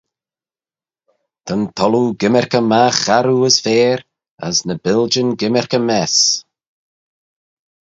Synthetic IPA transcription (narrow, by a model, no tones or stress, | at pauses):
t̪ʰənt̪ʰɔluɡɪmɛɾkəmaxaɾuəsveːɾ | ə̰znəbɪlˠd͡ʒənɡɪmɛɹkəmɛs